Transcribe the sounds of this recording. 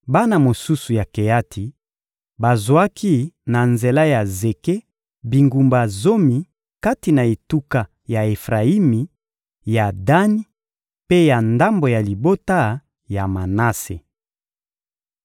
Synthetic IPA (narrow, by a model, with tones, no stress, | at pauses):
ba˦na˨mo˨su˦su˨ja˨ke˨ja˦tʰi˨ | ba˨zwa˦kʰi˦na˨nze˨la˦ja˨ze˨ke˦ | bi˨ŋɡu˨mba˨zo˦mi˨ | ka˦ti˨na˨e˨tu˦ka˨ | ja˨e˨fʁa˨i˦mi˨ | ja˨da˦ni˦ | pe˦ja˨nda˦mbo˨ja˨li˨bo˦ta˦ | ja˨ma˨na˦se˨